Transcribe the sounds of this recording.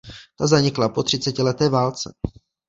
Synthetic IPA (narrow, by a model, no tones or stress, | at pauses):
t̪azaɲɪklapo̞t̪r̝̥ɪt͡sɛcɪlɛt̪ɛːvaːlt͡sɛ̰